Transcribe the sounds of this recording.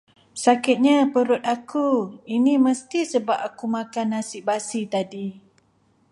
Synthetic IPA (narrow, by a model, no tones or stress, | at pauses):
sakɪt̪̚ɲapəɾʊt̪̚akuinĩməst̪isəbap̚akumãkanːasiʔbasit̪adi